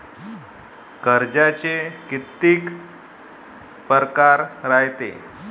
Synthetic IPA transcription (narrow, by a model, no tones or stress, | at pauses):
kəɾd͡ʑat͡ɕekit̪ːiːk | pəɾkaɾɾajt̪ḛ